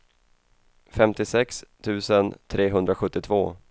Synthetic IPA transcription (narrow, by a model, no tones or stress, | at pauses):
fɛmt̪ɪsɛkst̪ʰʉ̟ːsənt̪ʰɾeːɦɵnd̪ɾaɧɵt̪ːɪt̪ʰvoː